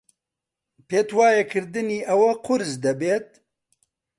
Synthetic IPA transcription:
peːt̪waːjɐkʰɨɾd̪ɨniːʔɐwɐqʊɾzd̪ɐbeːt̪̚

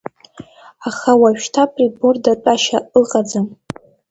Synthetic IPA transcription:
aχawaɥᶣtʰapʼribordaʈ͡ʂʷʼaʃaʔɨqʼad͡zam

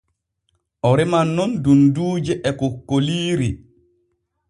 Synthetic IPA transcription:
ʔɔɾɛmanːɔndunduːd͡ʒɛʔɛkɔkːoliːɾi

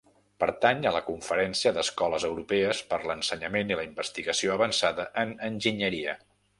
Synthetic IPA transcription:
pəɾt̪aɲələkuɱfəɾɛnsiəðəskɔləzəwɾupɛəspəɾlənsəɲəmeniləimbəst̪iɣəsioəβənsaðəʔənənʲʒiɲəɾiə

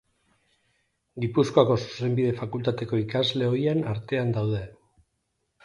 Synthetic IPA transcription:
ɡipusko̞ako̞su̥se̞mbiðe̞fakult̪at̪e̞ko̞ikazle̞o̞jenaɾt̪e̞and̪awð̞e̞

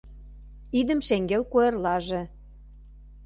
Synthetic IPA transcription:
id̪ə̆mʃeŋɡelkojerlɑʒĕ

